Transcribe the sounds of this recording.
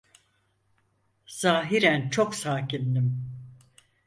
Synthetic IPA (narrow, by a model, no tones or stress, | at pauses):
z̥aːɦiɾænt͡ʃʰo̞ksaːcind̪im